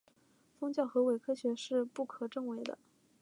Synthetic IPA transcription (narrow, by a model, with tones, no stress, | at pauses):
fɤ˥ŋt͡ɕjɑ˥˩ʊxɤ˧˥we˨˩ɪkʰɤ˥ɕɥɛ˧˥ʂɻ̩˥˧pu˥˩kʰɤ˨˩ʈ͡ʂɤ˥˧ŋwe˧˥ɪd̪ə̰˧